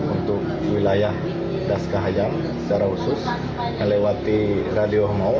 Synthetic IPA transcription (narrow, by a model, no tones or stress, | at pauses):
unt̪ʊk̚wilajah | daskaɦajam | sə̥t͡ʃaɾahusʊs | nəlewat̪iradioɦmau